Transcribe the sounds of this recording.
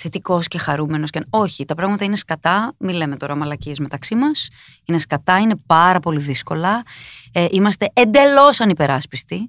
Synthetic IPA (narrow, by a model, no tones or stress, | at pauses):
θe̞t̪iko̞sce̞xɐɾume̞no̞sceno̞çit̪ɐpɾɐɣmɐt̪ɐine̞skɐt̪ɐmileme̞t̪o̞ɾɐmɐlɐcie̞zme̞t̪ɐksimɐs | ine̞skɐt̪ɐine̞pɐɾɐpo̞liðisko̞lɐ | ʔimɐst̪e̞ʔend̪e̞lo̞sɐnipe̞ɾɐspist̪i